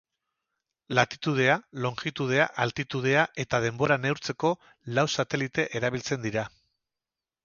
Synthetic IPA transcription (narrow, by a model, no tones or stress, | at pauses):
lat̪i̥t̪uð̞e̞alo̞ŋʝit̪uð̞e̞aʔalt̪it̪uð̞e̞aʔe̞t̪að̞e̞mbo̞ɾane̞wɾt͡se̞ko̞ | lawsat̪e̞lit̪e̞ʔeɾaβ̞ilt͡se̞nd̪iɾa